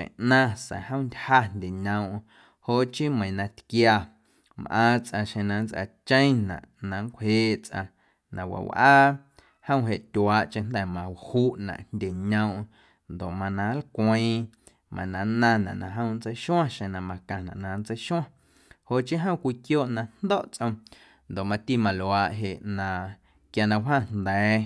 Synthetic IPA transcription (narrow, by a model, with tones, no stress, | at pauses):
ʃḛ̃˨ʔnã˧sɛ̰̃˨hə̃˦˨˧ndʲha˦ndʲe˨ɲə̃˧w̃ʔ | ho˧˨ʔt͡ʃi˦mə̃˨ĩ˨nã˧t̪kja˧ | mʔã̰ː˦˧t͡sʔã˧ʃẽ˧nã˧nt͡sʔa̰˧t͡ʃə̃˦j̃nã̰˨ʔnã˨˧ŋkʷheː˦ʔt͡sʔã̰˧ | nã̰˨wa̰˨wʔaː˦ | hə̃˦w̃ɦe˧ʔt̪ʲwaː˨˦ʔt͡ʃẽ˧˦nd̪ɛ˨mã˨whuː˦ʔnã̰˨ʔndʲe˨ɲə̃˧w̃ʔ | nd̪o˨ʔmã˧nã˨˦lkʷə̃˦˧˦ | mã̰˨nã˨nã˦˧nã̰˨ʔnã̰˨ɦə̃˦˧w̃nt͡sə˧˦jʃw̃ã˦ʃẽ˧˨nã˧˨mã˧kã˧nã̰˨ʔnã˨nt͡sə˧jʃw̃ã˦ | ho˨ʔt͡ʃĩ˦ɦə̃˦˨˧kʷiː˧kjoː˦˨ʔnã˧nd̪o˦ʔt͡sʔə̃˧ | nd̪o˨mã˧t̪i˧˨mã˨lwaː˨ʔɦe˨ʔnã˧ | kja˧nã˧wɦã˦˨nd̪ɛː˨˦